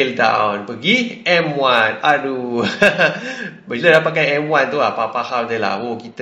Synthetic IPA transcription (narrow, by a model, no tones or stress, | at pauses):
ldã̰wnpəɡiʔɛmwãnadu | bələɾapakajɛmwãnt̪ulapapahawdəla̰hwokit̪